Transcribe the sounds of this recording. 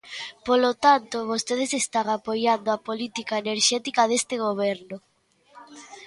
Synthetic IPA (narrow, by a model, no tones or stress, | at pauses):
polot̪ant̪oβost̪eð̞esest̪aŋapojand̪oapolit̪ikaeneɾʃɛt̪ikaðest̪eɣ̞oβ̞ɛɾno